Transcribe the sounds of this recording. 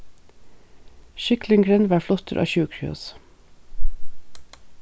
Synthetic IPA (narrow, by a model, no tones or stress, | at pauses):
ʃʏklɪŋɡɾɛnʋæːflɔt̪ʰəɾʔɑ̰ːçʉːkʰɹʏ̰ɔ̰s